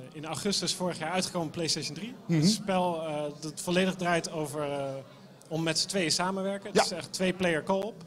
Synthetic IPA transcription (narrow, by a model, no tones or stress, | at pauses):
ɪnawχɵstəɪsfʊːɹəχjaːɹœɥtχə̥kowməplejstejʃəndriəspɛlˠdɑtfɔlejdəχdraːjtowvəɹ | ɔmːɛtsə̥tʋejəsaːmənʋɛɹkətɪsɛtʋejplejəɹkɔlˠp